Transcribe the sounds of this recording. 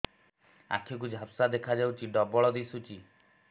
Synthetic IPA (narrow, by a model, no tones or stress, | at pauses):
a̰kʰik̬ud͡ʒʱapsad̪ekʰad͡ʒawt͡ʃʰiɖɔbɔɭɔd̪isut͡ʃi